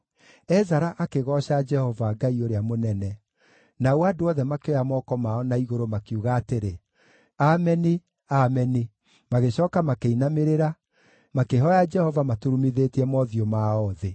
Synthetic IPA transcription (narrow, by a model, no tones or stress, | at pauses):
ɛzaɾaʔakeɣɔɕad͡ʒɛhɔvaɡaioɾeamonɛnɛ | naoadoɔðɛmakeɔjamɔkɔmaɔnaiɣoɾomakiuɣaːteɾe | amɛne | amɛne | maɣeɕɔːkamakeinameɾeɾa | makeɦɔjad͡ʒɛhɔvamatuɾumiðetiɛmɔðiɔmaɔðe